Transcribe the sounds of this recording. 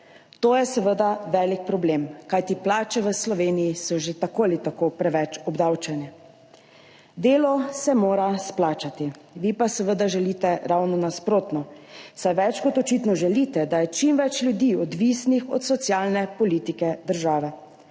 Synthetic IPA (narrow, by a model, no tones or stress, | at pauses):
t̪oːjɛsəʋəd̪aʋɛːlik̚pɾɔbleːmkajt̪iplaːt͡ʃɛʋəslɔʋeːnijisɔʒet̪akoːlit̪akopɾɛʋɛt͡ʃɔbd̪aːwt͡ʃɛnɛ | d̪eːlɔsɛmoːɾasplaːt͡ʃat̪iʋipasɛʋəd̪aʒɛliːt̪ɛɾawnɔnaspɾoːt̪nɔsajʋɛt͡ʃkɔt̪ɔt͡ʃit̪nɔʒɛlit̪ɛd̪ajɛt͡ʃimʋɛt͡ʃljud̪iːɔd̪ʋisnixɔ̰t̪sɔt̪sjaːlnɛpɔlit̪ikɛd̪əɾʒaːʋɛ